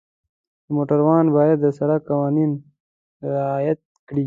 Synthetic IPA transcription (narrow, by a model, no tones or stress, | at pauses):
d̪əmoːʈaɾwɑːnbaːjɐd̪ːəsɐɾakawɑːnin | ɾɪaːjɐt̪̚kɽiː